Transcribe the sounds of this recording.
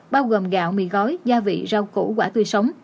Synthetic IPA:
ɓaː˧wɣoː˨˩mɣa̰ː˧˨wmḭ˧˨ɣɔ˨˦jzaː˧vḭ˧˨zaː˧wkṵ˧˩˦kwaː˧˩t̪wi˧sə˨˦wŋ͡m

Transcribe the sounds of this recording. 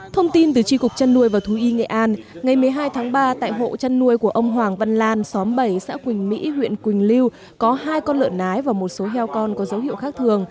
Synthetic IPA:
t̪ʰə˧wŋ͡mt̪i˧nt̪ɨ˨˩t͡ɕi˧kʊ˨˩k͡p̚t͡ɕa˧nːu˧əjvaː˨˩t̪ʰu˨˦ʔi˧ŋḛ˧˨ʔaː˧nŋa˨˩jmɨ˨˩əjɦaː˧jt̪ʰaː˨˦ŋɓaː˧t̪a̰ː˧˨jɦo̰˧˨t͡ɕa˧nːu˧əjku˧˩əʔə˧wŋ͡mɦwaː˨˩ŋvə̰˧˨nlaː˧nsɔ˨˦mɓə˧˩jsa̰ː˧˥kwï˨˩ŋ̟mḭ˧˥hwḭ˧˨ənkwï˨˩ŋ̟li˧w | kɔ˨˦ɦaː˧jkɔ˧nlɨ̰˧˨ənʔaː˨˦jvaː˨˩mo˨˩t̚so˨˦ɦɛ˧wkɔ˧nkɔ˨˦zə˨˦whḭ˧˨əwxaː˦˥k̚t̪ʰɨ˨˩əŋ

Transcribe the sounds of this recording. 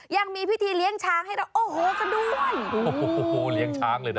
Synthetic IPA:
ja˧ŋmiː˧pʰi˦˥˩t̪ʰiː˧li˦˥əŋt͡ɕʰaː˦˥ŋha˥˩jɾa˧wʔoː˧˩hoː˧˦ka˧˩duː˧joː˨˩˦li˦˥əŋt͡ɕʰaː˦˥ŋlɤː˧jna˦

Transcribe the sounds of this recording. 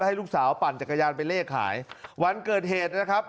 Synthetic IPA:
ha˥˩jlu˥˩k̚saː˩˦wpaː˨˩nt͡ɕa˨˩kːa˧jaː˧npa˧jleː˥˩kʰːa̰ː˩˦jwa˧nkɤː˨˩t̪̚heː˨˩t̪̚na˦˥kʰa˦˥p̚

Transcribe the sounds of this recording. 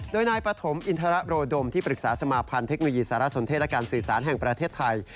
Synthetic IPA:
doː˧jnaː˧jpɾa˧t̪ʰo˩˦mʔi˧nt̪ʰaː˧ɾa˦˥ʔɾoː˧do˧mt̪ʰiː˥˩pɾɯ˨˩k̚saː˩˦sa˧maː˧pʰa˧nt̪ʰe˦˥k̚no˧jiː˧saː˩˦ɾa˦˥so˩˦nt̪̚ʰːlɛ˦˥kaː˧nsɯː˨˩saː˩˦nɦɛ˨˩ŋpɾa˧t̪ʰeː˥˩t̪ʰːa˧j

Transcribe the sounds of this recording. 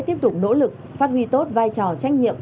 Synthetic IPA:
t̪i˦əp̚t̪ʊ˨˩k͡p̚no̰˧˥lɨ˨˩k̚ | faː˦˥t̚wi˧t̪o˦˥t̚vaː˧jt͡ɕɔ˨˩t͡ɕa˧˦˥jŋ̟̚ɲḭ˧˨əm

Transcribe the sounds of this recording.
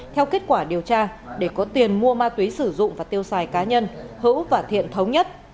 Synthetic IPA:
t̪ʰɛ˧wke˦˥t̚kwaː˧˩ɗi˨˩əwt͡ɕaː˧ɗe˧˩kɔ˨˦t̪i˨˩ənmu˧əmaː˧t̪wi˨˦sɨ˧˩zʊ̰˧˨ŋ͡mvaː˨˩t̪i˧əwsaː˨˩jkaː˨˦ɲə˧nhɨ̰˧˥wvaː˨˩t̪ʰḭ˧˨ənt̪ʰə˨˦wŋ͡mɲə˦˥t̚

